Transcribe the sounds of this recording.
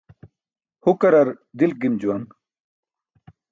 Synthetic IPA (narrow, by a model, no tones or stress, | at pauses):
hukɐɾɐɾ | d̪il̚ɡimd͡ʑuwɐŋ